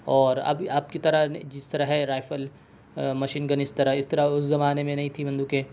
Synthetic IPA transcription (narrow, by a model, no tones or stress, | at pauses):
ɔːɾɐ̰baːp̚kit̪ɐɾand͡ʒɪst̪ɐɾaɦɛɾaːɪfəl | mɐʃiːnɡɐnɪst̪ɐɾaɪst̪ɐɾaʊszɐmaːnemẽnɐɦĩt̪ʰibɐ̃nd̪ukeː